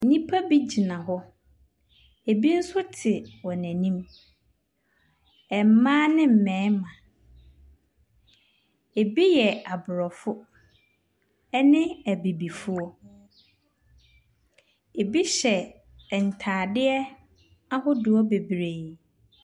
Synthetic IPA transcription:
n̩˦nĩ˦pʰa˦bi˦d͡ʑi˨nã˨ɦɔ˦ | e˨bi˦n̩˦sʊ˦tʰɪ˨wɔ˨næ̃˨nĩ˦m | ɛ˨m̩˨˦mãː˦nɪ̃˦m̩˨mɛ̃ː˨˦mã˨ | e˨bi˦jɛ˨a˨bʊ˨ɾɔ˨fʊ˦ | ɛ˦nɪ̃˦æ˨bi˨bi˨fʊ˦ɔ˦ | e˨bi˦ɕɛ˨ | n̩˨tʰaː˨dɪ˦ɛ˦ | a˦hʊ˦dʊ˨ɔ˦be˨bɾe˨

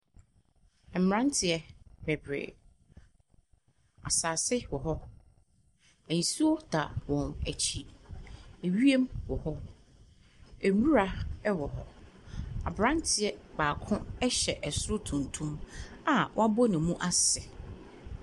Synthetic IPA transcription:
ɛ˨m˨ɾã˦ntʰɪ˨ɛ˦b̥ɛ˨bɾḛː˨ | a˨saː˨sɪ˦wɔ˨ɦɔ˦ | ɛ˨n˨si˦wɔ˦da˨wɔ̃˨næ˨t͡ɕʰi˨ | e˨ɥi˦e˦mwɔ˨hɔ˦ | æ˨mũ˦ɾa˦ɛ˦wɔ˨ɦɔ˦ | a̰˨bɾã˦ntʰɪ˨ɛ˦baː˨kʰʊ̃˦ɛ˦ɕɛ˨ʔɛ˨sʊ˦ɾʊ˦tʰũ˨ntʰũ˦ma˨w̰a˦bɔ˦nɪ̃˨mũ˦ʔa˦sɛ˨

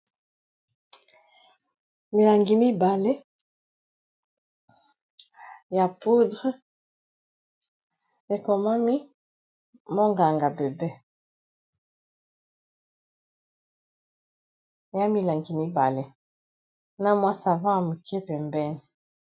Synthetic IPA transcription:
mi˨la˨ŋɡi˨mi˦ba˨le˦ | ja˨po˦dʁe˦ | e˨kɔ˨ma˦mi˦ | mo˦ŋɡa˨ŋɡa˨be˨be˦ | ja˦mi˨la˨ŋɡi˨mi˦ba˨le˦ | na˦mwa˦sa˨vã˦a˨mu˨ki˦e˦pɛ˨mbɛ˦ni˨

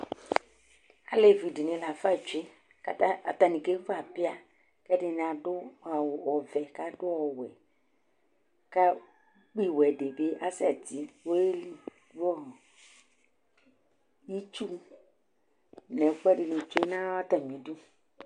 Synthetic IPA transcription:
a̰˨le˨vi˨di˨nɪ̃˨la˨fa˦˨t͡ʃe˦ | ka˦ta˦a˨t̪a˨nĩ˨ke˦va˨pɪ˦a˦ | kɛ˦dɪ˦n˨a˨dʊ˦˨ɔ˨vɛ˨ka˦dʊ˦ɔ˨wɛ˨ | ka˦ | k͡pi˦wɛ˨de˨be˦ʔa˦sɛ˨ti˦wo˦e˦ | wɔ˦˨ | ji˦t͡ʃu˦ | nɛ˨˦k͡pɛ˦dɪ˨nɪ̃˨t͡ʃe˦nã˦a˦t̪a˨mĩ˨˦du˦

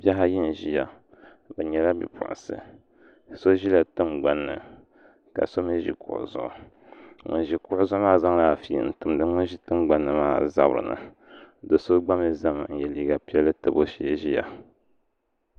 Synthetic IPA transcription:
bja˦ɦa˦ji˦n˨ʒi˦ja˨ | bɛ˨ɲɛ˨la˦bḭ˨pʰʊ̰˨ʔʊ̰˨sɨ̰˨ | so˦ʒi˦la˨tɨ˦mɡ͡ba˦nːɨ̰˨ | ka̰˨so˦mi˦ʒḭ˦kʊ̰˨ʔʊ̰˨zʊ̰˨ʔʊ̰˨ | ŋo˨ʒi˨kʊ˦ʔʊ˦zʊ˦ʊ˦maː˦za˦ŋla˦˨fḭ˨n̩˨tɨ˨m˨dɨ˦ŋo˦ʒi˦tɨ˦mɡ͡ba˦nːɨ˨maː˦za˦bɾɨ̰˨nɨ̰˨ | do˨so˦ɡ͡ba˦mɨ˦za˦ŋ˨n̩˨jɛ˨liː˦ɡa˨pi˦ɛ˦lːɨ˦tɨ˨bo˦ʃi˦˨ʒi˦ja̰˨

